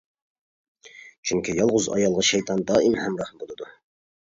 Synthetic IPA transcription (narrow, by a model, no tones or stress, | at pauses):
t͡ʃʰyŋkʲʰijɑlˠʁʊzɑ̰jɑlˠʁɑʃæjt̪ʰɑnd̪ɑːinhæmɾɑhmbolˠɨd̪ʊ